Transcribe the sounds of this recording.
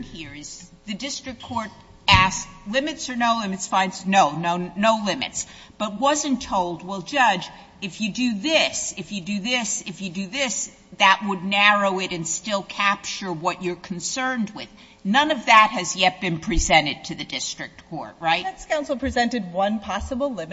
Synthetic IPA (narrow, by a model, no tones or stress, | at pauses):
hiɹɪz̥ðɨdɪstɹ̥ɨk̚kʰɔɹɾ | æslɪ̃mɨtsə˞noʊlɪ̃mɨtsfãɪ̃ndzsnoʊnoʊnoʊlɪ̃mɨ̰ts | b̥ʌt̚wʌzɨ̃ntʰoʊlˠd̚wɪlˠd͡ʒʌd͡ʒ | ɨfjɨdɨðɪsɨfjɨdɨðɪsɨfjɨdɨðɪs | ðɨʔ̚wədⁿnæɹoʊɪɾɨ̃nstɪlˠkʰæp̚t͡ʃə˞wʌt͡ʃə˞kʰn̩sɜ̃˞nd̚wɪð | nʌ̃nʌvðɨt̚hɨzjɛt̚b̥ɨ̃npʰɹ̥izɛ̃ɾ̃ɨd̚tʰɨðɨdɪstɹ̥ɨk̚tkʰɔ̰ɹt̚ɹaɪætskʰãʊ̃nsl̩ˠpʰɹ̥izɛ̃ntɨd̚wʌ̃npʰɑsəbl̩ˠlɪ̃mɨ